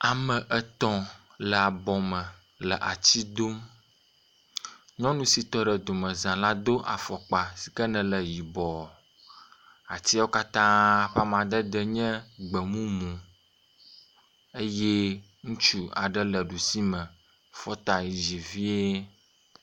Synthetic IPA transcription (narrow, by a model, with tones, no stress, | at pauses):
a˨mə̃˨ʔə˦t̪ɔ̃˦ | lə˨a˨bɔ˨mə̃˨ | lə˨ʔa˨t͡ɕi˦d̪o˦m | ɲɔ̃˦nũ˦si˨t̪ɔ˦ɖə˨d̪o˨mə̃˨zã˨la˦d̪o˦ʔa̰˨fɔ˨k͡pa˨si̥˨kə˦nɛ̃˨lə˨ji˨bɔ˨ | a˨t͡ɕi˦a˦wo˦ka˦t̪ã˦˨ɸa˦m˨ã˨d̪ə˦d̪ə˦ɲɛ̃˦ɡ͡bə˨mũ˦mũ˨ | e˦jɛ˦ | ŋũ˦t͡ʃu˦a̰˨ɖə˦lə˨ɖu˨si˦mə̃˨ | fɔ˦t̪a˨ji˨d͡ʒi˨vi˦e˦